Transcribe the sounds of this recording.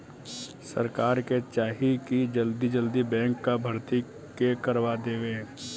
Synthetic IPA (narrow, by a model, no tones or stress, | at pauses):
sɐ̰ɾkaːɾket͡ʃaːɦikid͡ʒɐld̪id͡ʒəld̪ibɛ̃ːŋkːabʱɐɾt̪i | kekəɾwad̪eːʋẽː